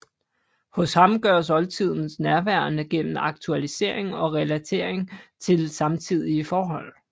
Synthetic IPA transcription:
hɔ̽shɑ̈mɡ̥ɶɐ̰s̬ɒ̽lt͡sʰið̞̰ˠn̩snæɐʋæɐnəɡ̥en̰m̩ɑ̈ɡ̥̚t͡sʰuælise̝̰ɐ̰e̝ŋɒ̽ʁɛlæt͡sʰe̝̰ɐ̰e̝ŋt͡sʰe̝lsɑ̈mt͡sʰið̞̰ˠiəfɒːɦɒ̽l̰

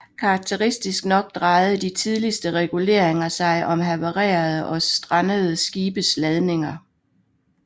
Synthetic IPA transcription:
kʰɑ̈ːɡ̥̚t͡sʰeʁisd̥isɡ̥nɒ̽ɡ̥̚d̥ʁɑ̈ɪð̩ˠd̥it͡sʰið̞ˠlisd̥əʁɛɡ̥ule̝ɐ̰e̝ŋɐsɑ̈ɪʔɒ̽mɦæʋəʁɛ̰ːɐð̞ˠəʔɒ̽sd̥ʁɑnəð̩ˠəsɡ̥iːb̥əslɛð̞ˠne̝ŋɐ

